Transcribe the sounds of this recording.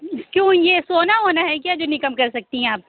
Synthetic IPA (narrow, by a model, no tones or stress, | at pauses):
kjõːjesoːnaɦoːnaɦɛk̬jaːd͡ʒoːnɪkəmkɐɾsɐk̚t̪iɦɛ̃aːp̚